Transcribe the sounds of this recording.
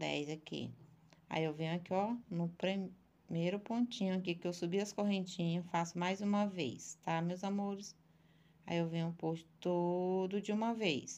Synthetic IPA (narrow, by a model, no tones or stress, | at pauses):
d̪ɛ̰jzakḭa̰iewvẽɲʊakiɔnʊpɾe | mejɾʊpõt͡ʃĩɲʊakikɪewsubiɐskoɦẽnt͡ʃĩɲɐfasʊmajzũmɐvḛjst̪amewzamoɾɪs | a̰iewvẽɲʊpoʃt̪od̪ʊd͡ʒɪũmɐvejs